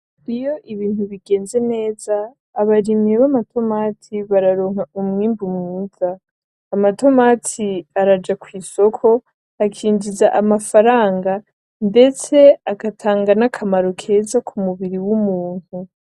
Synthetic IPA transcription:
ɾijo̞ʔiβiːnhuβiɡe̞ːnze̞ne̞ːzaː | βaɾimɲeβamatʰo̞maːtʰiβaɾaɾo̞ːŋ̥haumŋiːmbumŋuːzaː | mato̞maːtʰiaɾad͡ʒakwiːso̞kʰo̞ | akʰiːnd͡ʒizaʔamafaɾaːŋɡa | nde̞t͡se̞aɡatʰaːŋɡanakʰamaɾo̞kʰe̞ːzakʰumuβiɾiwumuːn̥u

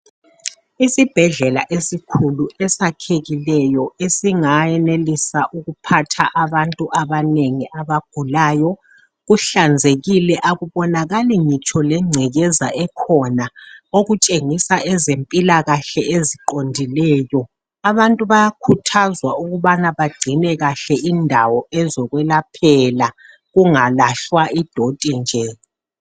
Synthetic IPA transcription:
isib̥ʱɛɮɛla̰ʔesikʰuluɛsakʰeɣilɛjɔesiŋajɛnelisaʔuɣupʰatʰaʔaβantʼuʔaβaneŋiʔaβaɡ̥ʱulaːjɔ | ɣuɬand͡zʱeɣilɛʔaɣuβɔnaɣaliŋit͡ʃʼɔlɛŋ͡ǀʱɛɣɛzaʔɛkʰɔnaoɣut͡ʃʼeŋisaʔɛzempʼilaɣaɬɛʔeziǃondʱilɛːjɔ | aβantʼuβajakʰutʰazwauɣuβanaβaɡ͡ǀ̥ʱinɛɣaɬɛʔindʱawɔɛzɔɣwɛlapʰɛla | ɣuŋalaɬwaid̥ʱotʼind͡ʒʱɛ

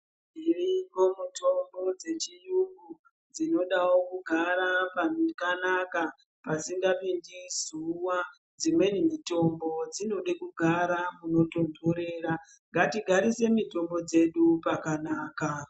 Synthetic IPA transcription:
irimo̞mutʰo̞mbo̞d͡ze̞t͡ʃijuŋɡu | d͡zino̞ɗawokuɡʱaɾapankanaka | pasiŋɡapindizuwa | d͡zimwe̞nimito̞mbo̞d͡zino̞ɗekuɡʱaɾamuno̞tondoɾeːɾa | ŋɡatiɡʱaɾise̞mito̞mbo̞d͡ze̞ɗupakanaːka

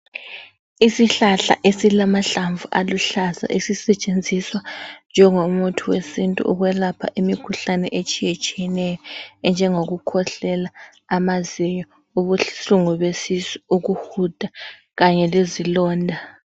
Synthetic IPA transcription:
isiɬaɬa̰ʔesilamaɬaɱvuʔaluɬaza̰ʔesisɛt͡ʃʼend͡zʱiswand͡ʒʱɛŋomutʰuwesintʼṵʔuɣwɛlapʰa̰ʔimikʰuɬanɛ̰ʔet͡ʃʼijet͡ʃʼijɛnɛjɔɛnd͡ʒʱɛŋoɣukʰɔɬɛlaː | maziɲɔ | uβuɬuŋuβesisi̥uɣuhud̥ʱa | ɣaɲɛlezilɔːndʱa

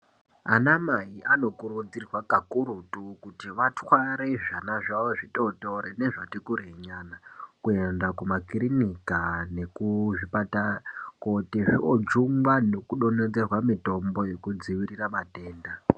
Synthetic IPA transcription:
a̰namaiʔano̞kuɾud͡zirwakakuɾutukutiʋatwaɾeʐanaʐaʋoʐito̞to̞ɾene̞ʐatikuɾeɲanakue̞ndakumakirinikane̞kuʐipatakotiʐiod͡ʒuŋɡwano̞kuɗo̞ned͡ze̞rwamito̞mbo̞je̞kud͡ziʋiriramateːnda

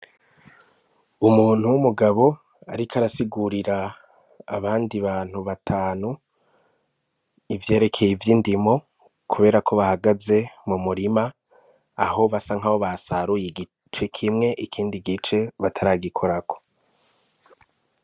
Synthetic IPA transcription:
umuːn̥huwumuɡaβo̞ | a̰ɾikaɾasiɡuɾiɾaː | βaːndiβaːn̥huβatʰaːnu | ivje̞ːɾe̞kʰe̞jivjiːndimo̞ | kʰuβe̞ːɾakʰo̞βahaɡaze̞mumuɾima | aho̞βasaŋ̥aβo̞βasaɾujiɡi | t͡ʃe̞kʰimŋe̞ʔikʰiːndiɡit͡ʃe̞βatʰaɾaːɡikʰo̞ɾakʰo̞̥

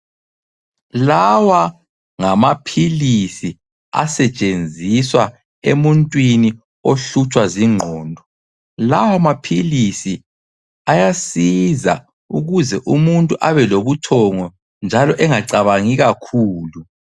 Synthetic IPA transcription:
lawa | ŋamapʰilisi | a̰sɛt͡ʃʼend͡zʱiswa | emuntʼwini | oɬut͡ʃʼwaziŋ͡ǃʱɔːndʱɔ | lawamapʰilisi | ajasiza̰ | uɣuzɛʔumuntʼuʔaβɛloβutʰɔŋɔ | nd͡ʒʱalɔʔɛŋaǀaβaŋiɣakʰuːlu

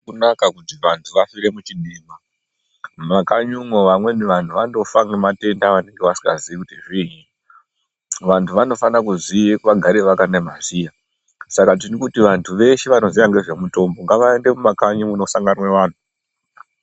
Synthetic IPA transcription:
unakakutiʋantʰuʋafiɾe̞mut͡ʃiɗima | makaɲumwoʋamwe̞niʋantʰuʋano̞faŋɡemate̞ndaʋane̞ŋɡe̞ʋasi̥ŋɡaziʋikutiʐiːɦi | ʋantʰuʋano̞fanakuziekʋaɡʱaɾeʋakanemasija | sakat̬inikutiʋantʰuʋe̞ʃeʋano̞ziʋaŋɡe̞ʐe̞muto̞mbo̞ŋɡaʋaende̞mumakaɲumuno̞saŋɡanweʋaːnu

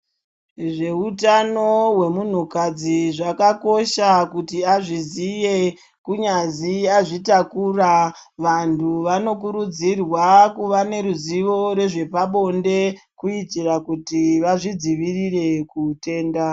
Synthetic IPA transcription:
ʐe̞utano̞we̞mun̤ukad͡ziʐakako̞ʃakutiaʐizije̞ | kuɲaziaʐitakura | ʋantʰuʋano̞kuɾud͡zirwakuʋane̞ɾuziʋo̞ɾe̞ʐe̞paɓo̞nde̞kuitirakutiʋaʐid͡ziʋirire̞kute̞ːnda

